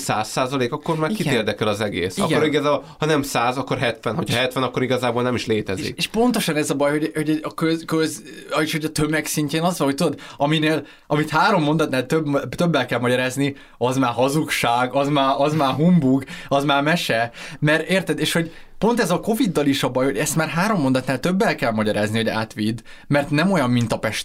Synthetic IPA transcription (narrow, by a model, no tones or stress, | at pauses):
saːsːaːzɒleːkɒkːoɾmaːrikieːrd̪ɛkɛlɒzɛɡḛːsiɒ̰kɡoɾiɡɒzaːbohɒnɛmsaːzɒkːorɦɛt̪ʋɛnɦo̞cʰhɒɦɛt̪ʋɛnɒkːoɾiɡɒzaːbolnɛmiʃleːt̪ɛzḭkeʃpo̞nt̪o̞ʃɒnɛzɒbɒjho̞ɟho̞ɟɛɒkøkøz | eʃho̞ɟɒt̪ømɛksiɲceːnɒzʋɒlɦo̞c̚t̪ud̪od̪ɒmineːl | ɒmit̪haːɾo̞mːo̞nd̪ɒt̪naːlt̪øbt̪øbːɛlkɛlmɒɟɒɾaːzni | ɒzmaːrɦɒzukʃaːɡɒzmaːrʔɒzmaːrɦumbuɡɒzmaːrmɛʃɛmɛɾeːrt̪ɛd̪eːʃho̞ɟ | po̞nt̪ɛzɒko̞vid̪ːɒliʃɒbɒjho̞ɟɛst̪maːrɦaːɾo̞mːo̞nd̪ɒt̪naːlt̪øbːɛlkɛlmɒɟɒɾaːzniho̞ɟa̰ːt̪ʋid̪ː | mɛrt̪nɛmo̞jɒmːint̪ɒpɛʃt̪